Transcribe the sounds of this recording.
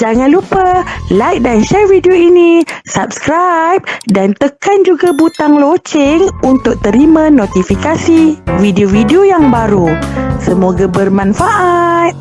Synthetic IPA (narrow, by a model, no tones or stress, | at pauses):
d͡ʒaŋãnlupəlajk̚danʃɛrvidioinisap̚skɾajp̚dant̪əkand͡ʒuɡabut̪aŋlot͡ʃɪŋunt̪ʊk̚t̪əɾimãnot̪ifikasivideovideojaŋbaɾusəmoɡabərmãnfaʔat̪̚